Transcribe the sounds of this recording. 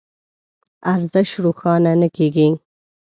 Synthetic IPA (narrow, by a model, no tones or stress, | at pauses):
aɾzəʃɾuxɑnanəkeɡi